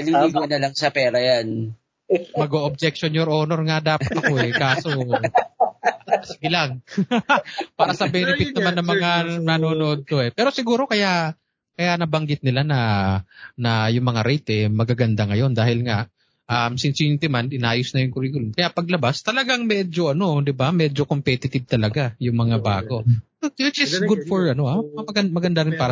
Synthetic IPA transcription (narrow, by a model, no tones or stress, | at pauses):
ɐliɡonɐlaŋsɐpɛːɾɐjan | mɐɡoʔob̚d͡ʒɛk̚ʃonjoɾʔoːnoɾŋad̪aːpat̪ɐko̞ʔɛkaːso | ɐsɡɪlaŋ | paːɾɐsɐbɛnɛpɪt̪̚nɐmanːɐmɐŋanɐnoːnoʔod̪̚t̪o̞ʔɛpɛːɾo̞sɪɡuːɾo̞kɐjaʔ | kɐjanɐbɐŋɡɪt̪̚nɪlanɐ | nɐjʊŋmɐŋaɾɛjt̪ɛmɐɡaɡɐnd̪aŋɐjo̞nd̪aːhɪlŋaʔ | ʔamsɪnsɪɪnt̪ɪmanɪnaːjosnɐjʊŋkʊɾiːkʊlʊnkɐjaʔpɐɡ̚lɐbast̪ɐlɐɡaŋmɛːd͡ʒo̞ʔɐno̞d̪ɪbamɛd͡ʒo̞ko̞mpɛt̪ɪt̪ɪb̚t̪ɐlɐɡajʊŋmɐŋaba̰ːɡo̞ | ɪt̚ɐsɡʊd̪̚foɹɐno̞amɐɡɐnmɐɡɐnd̪aɾɪnpaːɾ